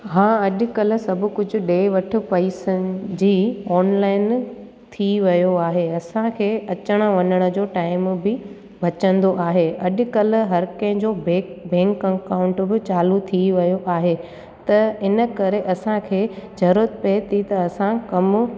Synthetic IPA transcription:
ɦãːɐɗʊ̆kɐl̆sɐbʱʊ̆kʊd͡ʑʱʊ̆ɗeːʋɐʈʰʊ̆pɐiːsəd͡ʑiːɔːnlaːɪn | t̪ʰiʋɐjoaːɦeɐsãkʰeːɐt͡ɕəɽ̃əʋɐɲəɽ̃ə̆d͡ʑoːʈaːɪmbɪ | bʱɐt͡ɕə̃nd̪oʔaːɦeɐɗ̆kɐl̆ɦɐɾkɐ̃ɦd͡ʑoːbebẽːŋkɐ̃kaːʊ̃ɳʈbɪt͡ɕaːlut̪ʰiʋɐjoʔaːɦe | t̪ɐɪnəkɐɾeʔɐsãkʰeːd͡ʑɐɾət̪̚pet̪ʰit̪ɐɐsãkɐm

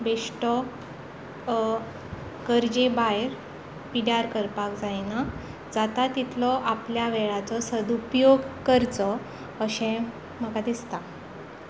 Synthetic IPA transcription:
beʂʈɔ | kəɾd͡ʑebajɾ | piɽaɾkəɾpakd͡zajna | d͡zat̪at̪it̪ʰlɔʔapljaʋeɭat͡sɔsəd̪upjoɡkəɾt͡sɔ | əɕɛ̃ | məɡad̪ist̪a

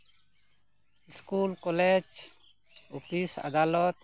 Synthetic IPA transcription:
iskulkɔlɛd͡ʒ | upisa̰d̪alɔt̪

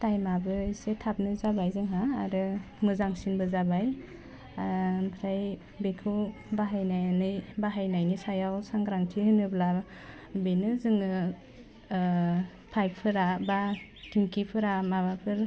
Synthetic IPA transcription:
tajmabɯisetʰap̚nɯzabajzɯŋɦaːɾɯ | mɯzaŋsinbɯzabaj | apʰɾaj | bekʰɯw | baɦajnajnɯjbaɦajnajnisajawsaŋɡɾaŋtʰihɯnɯbla | benɯzɯŋɯ | pʰajp̚pʰɯɾaba | tiŋkipʰɯɾamabapʰɯɾ

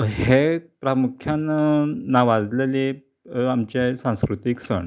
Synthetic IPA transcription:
hepɾamukʰjannaʋad͡zlele | amt͡ɕesãskɾut̪iksə̰ɳ

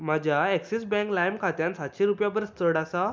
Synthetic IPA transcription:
m̤ad͡ʑʱjaeksisbɛ̃ŋklajmkʰat̪jãnsat̪ɕeɾupjabəɾst̪əɽasa

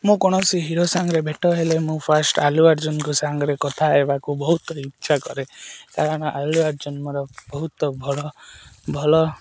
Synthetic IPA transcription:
mũkɔɽ̃ɔsiɦiɾosaŋɡɾebʱeʈɔɦelemũpʰasʈaluaɾd͡ʒɔnɔkusaŋɡɾekɔt̪ʰaebakubɔɦut̪ɔikːt͡ʃʰakɔ̰ɾekaɾɔɽ̃ɔʔaluaɾd͡ʒɔnmɔɾɔbɔɦut̪ɔbʱɔɭɔbʱɔlɔ

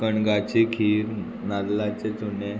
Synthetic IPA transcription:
kəɳɡat͡ɕekʰiːɾ | nallat͡set͡sune

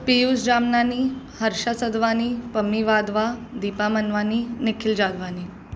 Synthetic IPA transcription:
pijusd͡ʒamnani | həɾʃasəd̪ʋanipəmːiʋad̪ʋad̪ipamənʋaninikʰild͡ʒad̪ʋani

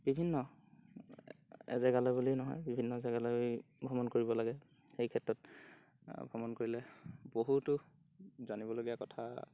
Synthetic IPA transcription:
bibʱinːɔ | ɛ̰zɛɡalɔbulinɔɦɔ̰jbibʱinːɔɛzɛɡalɔj | bʱɔmɔnkoɹibɔlaɡɛ | xejkʰɛtɹɔt̚ | bʱɔmɔnkoɹilɛboɦutʊ | zanibɔloɡiakɔtʰa

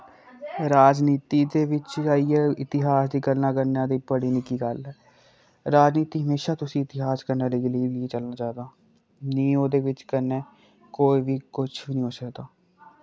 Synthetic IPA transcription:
ɾaːd͡ʒniːt̪iːd̪eːʋɪt͡ʃaːiɛɪt̪ɪɦaːsd̪iːkəɾnaːkəɾnãːd̪iːpəɽiːnɪkiːɡəlɦɛː | ɾaːd͡ʒniːt̪iːɦəmeːʃaːt̪ʊsĩːɪt̪ɪɦaːskəɾnaːliːɡəliːlieːt͡ʃəlnaːt͡ʃaːd̪aː | nĩːoːd̪eːʋɪt͡ʃkəɾneː | koːiːʋiːkʊt͡ʃʰbnĩːoːsəkd̪aː

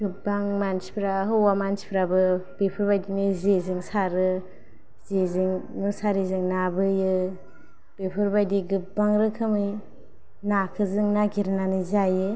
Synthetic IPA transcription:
ɡɯbaŋmansi̥pʰɾaɦɯwamansi̥pʰɾabɯb̥epʰɯɾbajdinɯzezɯŋsaɾɯ | zezɯŋmɯsaɾizɯŋnabɯjɯ | b̥epʰɯɾbajdiɡɯp̚baŋɾɯkʰɯmɯj | nakʰɯzɯŋnaɡiɾnanizajɯ

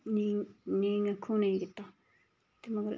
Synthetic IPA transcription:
nĩnĩŋãkʰunĩɡit̪a | t̪emãkɾ̰

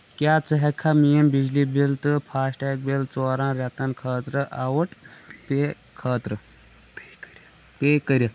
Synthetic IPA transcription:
kʲjaːt͡sɨɦekʰamijəmbid͡ʑlibilt̪ɨpʰaːsʈeːk̚bilt͡soːɾãːɾʲɐt̪ɐnkʰəːt̪ɾəʔawəʈt̪e | kʰəːt̪ɾɨ | peːkəɾʲɐ

